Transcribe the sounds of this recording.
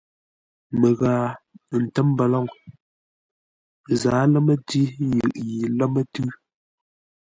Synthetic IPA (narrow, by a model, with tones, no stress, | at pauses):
mə˨ɣaː˨n̩˨tɛ˦m˦bɛ˨lɔ˦˨ŋ | zaː˨˦lɛ˦mə˦ti˦jɯ˨ʔji˨lɛ˦mə˦tʉ˦